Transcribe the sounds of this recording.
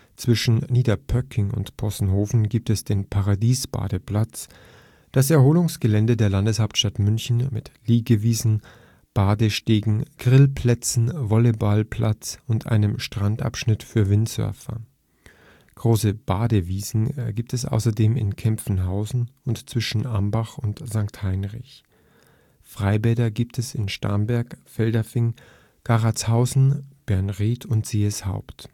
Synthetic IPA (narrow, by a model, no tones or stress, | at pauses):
t͡sv̥ɪʃn̩niːdɐpʰœkʰɪŋʊ̰ntpʰɔsn̩hoːfn̩ɡiːp̚tɛsd̥eːnpʰaʁadiːsb̥a̰ːdəpl̥at͡s | d̥asɛɐɦoːlʊŋsɡ̥əlɛndədeːɐlandəshaʊptʃtatmʏnçn̩mɪtliːɡəviːzn̩ | b̥aːdəʃteːɡŋ̩ɡ̥ʁɪlpʰl̥ɛt͡sn̩vɔlebalpʰl̥at͡sʊntʔa̰ɪnəmʃtʁ̥antʔa̰pʃnɪtfyːɐvɪntsœ̰ɐfɐ̰ | ɡ̥ʁoːsəb̥aːdəviːzn̩ɛɐɡiːp̚tɛsʔa̰ʊsɐdeːmɪ̰nkʰɛmfn̩ɦaʊzn̩ʊntt͡sv̥ɪʃn̩ʔambaχʊntz̥aŋkthaɪnʁɪç | fʁ̥aɪbɛdɐɡiːptʰɛsɪnʃta̰ɐnbɛɐkfɛldɐfɪŋ | ɡ̥aʁat͡shaʊzn̩b̥ɛɐnʁiːtʰʊntz̥eːəsha̰ʊpt